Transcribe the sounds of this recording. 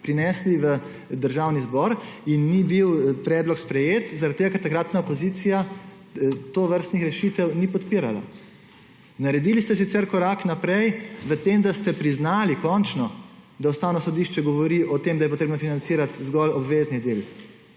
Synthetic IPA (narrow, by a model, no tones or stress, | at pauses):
pɾinɛsliʋə | d̪əɾʒawnizbɔɾinːibiwpɾɛːd̪lɔkspɾɛjeːt̪zaɾat̪̚ːeɡakaɾt̪aɡkɾat̪naopɔziːt̪sija | t̪oːʋəɾst̪nixɾɛʃit̪ɛwnipɔt̪piɾala̰ | naɾɛd̪ilist̪ɛsit̪sɛɾkɔɾaːknapɾɛjʋət̪emd̪ast̪ɛpɾiznaːlikɔnt͡ʃnɔd̪awst̪aːwnɔsɔd̪iʃt͡ʃɛɡɔʋɔɾiʔɔt̪emd̪ajɛp̬ɔt̪ɾeːbnɔfinansiːɾat̪zɡɔlɔbʋeːznid̪el